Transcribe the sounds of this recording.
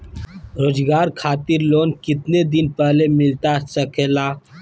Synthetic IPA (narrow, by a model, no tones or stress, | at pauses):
ɾoːzɡaːɾkʰaːt̪ɪɾloːnkɪt̪ned̪ɪnpəɦlemɪlt̪asəkʰeːlaː